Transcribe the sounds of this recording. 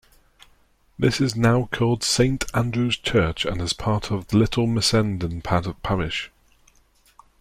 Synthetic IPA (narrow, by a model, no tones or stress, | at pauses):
ðɪsɪznaʊkʰɔːlˠd̥sẽɪ̃ntʰãndɹʉz̥t͡ʃʰɜˑt͡ʃə̰̃nɪz̥pʰɑˑtʰəvðəlɪtʰˡl̩ˠmɪsɛ̃ndə̃npʰatəv̥pʰaɹɪʃ